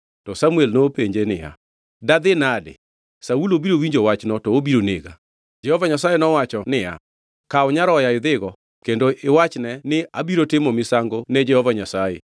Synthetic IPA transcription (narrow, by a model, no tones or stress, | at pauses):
tɔsamuɛlnopeɲd͡ʒenɪja̰ | daðɪnadɪ̰ | saulobiɾowiɲd͡ʒowat͡ʃnɔtɔobiɾoneɡa̰ | d͡ʒɛhɔvaɲasajenɔwat͡ʃɔnɪa̰ | kaoɲaɾɔjaɪðɪɣɔ | kendoɪwat͡ʃnɛnɪabiɾotɪmɔmɪsaŋɡonɛd͡ʒɛhɔvaɲasajḛ